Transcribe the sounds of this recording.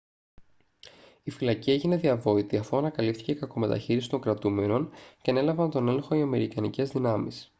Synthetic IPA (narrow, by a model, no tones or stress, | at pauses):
ifilɐcie̞ʝine̞ðiɐvo̞it̪iɐfoɐnɐkɐlipθi̥ce̞kɐko̞me̞t̪ɐ̰çiɾisi̥t̪o̞ŋɡɾɐt̪ume̞no̞nceɐne̞lɐvɐnt̪o̞ne̞le̞ŋxo̞iɐme̞ɾikɐnice̞zðinɐmis